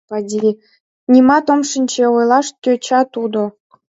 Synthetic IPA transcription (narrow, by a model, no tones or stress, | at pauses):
pɑdʲi | nʲimɑt̪omʃə̆nʲt͡ɕeojlˠɑʃk̪ʲøt͡ɕɑt̪ud̪o